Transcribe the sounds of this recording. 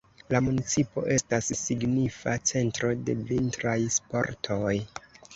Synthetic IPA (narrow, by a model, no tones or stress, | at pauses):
lamunit͡sipo̞̰ʔe̞stasːiɡnifat͡se̞ntɾo̞de̞vintɾajspo̞̰ɾtʰo̞j